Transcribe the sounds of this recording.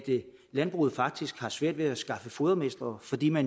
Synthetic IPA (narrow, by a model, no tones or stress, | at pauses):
d̥ | lænb̥ʁuð̩ˠfɑ̈ɡ̥̚d̥isɡ̥hɑ̈sʋæɐ̰d̥ʋe̝æsɡ̥ɑ̈fəfo̝ðˠɐmesd̥ʁɐːfɒ̽d̥ḭːmæn